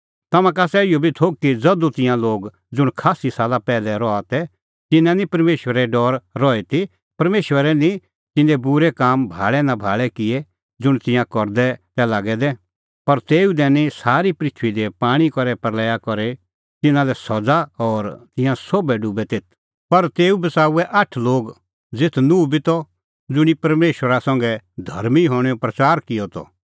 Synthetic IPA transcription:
t̪ɐmãk̬asɛɪjobʱit̪ʰoːɡ̚kid͡zɐd̪ut̪ɪ̃jãloːɡ | d͡zʊɽ̃kʰaːsisaːlapɛːlɛɾɔat̪ɛ | t̪ɪnãnĩpɐɾmeːʃwəɾɛɖɔːɾːɔɛt̪i | pɐɾmeːʃwəɾɛnĩ | t̪ɪ̃nd̪ɛbʊɾɛkaːmbʱa̰ːɭɛnãbʱaːɭɛkɪe | d͡zʊɽ̃t̪ɪ̃jãkɔɾd̪ɛt̪ɛlaːɡɛd̪ɛ | pɐɾt̪eːud̪ɛːnĩsaːɾipɾɪt̪ʰʋid̪ɛpaːɽ̃ikɔɾɛpɐɾlɛːjakɔɾe | t̪ɪnãlɛsɔd͡zaɔːɾt̪ɪ̃jãsoːbɛɖubɛt̪eːt̪̚ʰ | pɐɾt̪eːubɐsaːuɛʔɐʈʰloːɡ | d͡zɪt̪ʰnubʱit̪ɔ | d͡zʊɽ̃ipɐɾmeːʃwəɾasɐ̃ŋɡɛd̪ʱɐɾmiɦɔːɽ̃ɛɔpɾɐt͡ʃaːɾkɪjɔt̪ɔ̰

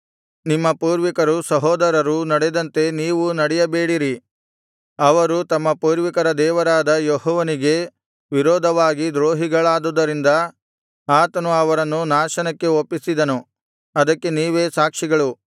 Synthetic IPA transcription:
nimːɐpuːɾʋikɐɾusɐɦɔːd̪ɐɾɐɾunɐɽed̪ɐnt̪e̞niːʋunɐɽɛjɐbeːɽiɾi | ɐʋɐɾut̪ɐmːɐpuːɾʋikɐɾɐd̪ɛːʋɐɾaːd̪ɐjoɦɔːʋɐniɡe̞ | ʋiɾɔːd̪ʱɐʋaːɡid̪ɾoːɦiɡɐɭaːd̪ud̪ɐɾind̪ɐ | aːt̪ɐnuɐʋɐɾɐnːunaːʃɐnɐkːe̞opːisid̪ɐnu | ɐd̪ɐkːe̞niːʋeːsaːkʂiɡɐɭu

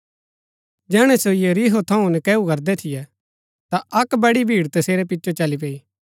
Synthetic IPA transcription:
d͡ʒɛːɽ̃ɛ̃soijeɾiːɦot̪ʰɐ̃ũnɛkɛːukɐɾd̪ɛt̪ʰɪjɛ | t̪aʔɐkbɐɽibʱiːɽt̪ɐseːɾɛp̬ɪtːʃot͡ʃɐlip̬eːiː

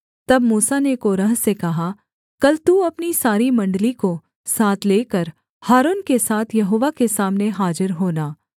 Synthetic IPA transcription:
t̪ɐbmuːsanekoːɾəɦsekɐɦa | kɐlt̪uɐpnisaːɾimɐ̃ɳɖliko | saːt̪ʰleːkəɾ | haːɾoːnkesaːt̪ʰjɐɦoːʋakesaːmneɦaːd͡ʒɪɾɦoːnaː

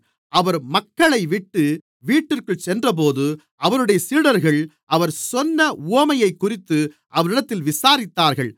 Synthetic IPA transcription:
ɐʋɐɾmɐkːɐɭɐɪʋɪʈːɯ | ʋiːʈːɪrkɯɭsɛndrɐp̬oːðɯ | ɐʋɐnɯɽɐjɐsiːɽɐɾɣɐɭ | ʔɐʋɐɾsɔnːɐuɐmɐjɐɪkːʊrɪt̪ːɯ | ʔɐʋɐɾɪɽɐt̪ːɪlʋɪsaːɾɪt̪ːaːɾɣɐɭ

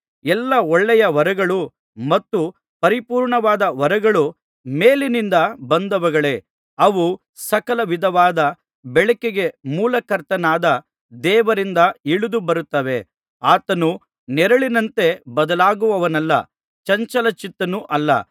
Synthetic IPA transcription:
ɛlːɐɔɭːɛjɐʋɐɾɐɡɐɭu | mɐt̪ːu | pɐɾipuːɾɳɐʋaːd̪ɐʋɐɾɐɡɐɭu | meːlinind̪ɐbɐnd̪ɐʋɐɡɐɭe̞ | ɐʋu | sɐkɐlɐʋid̪ʱɐʋaːd̪ɐ | bɛɭɐkeɡe̞muːlɐkɐɾt̪ɐnaːd̪ɐ | d̪ɛːʋɐɾind̪ɐiɭud̪ubɐɾut̪ːɐʋe̞ | aːt̪ɐnu | nɛɾɐɭinɐnt̪e̞bɐd̪ɐlaːɡuʋɐʋɐnɐlːɐ̰ | t͡ʃɐɲt͡ʃɐlɐt͡ʃit̪ːɐnuʔɐlːɐ̰

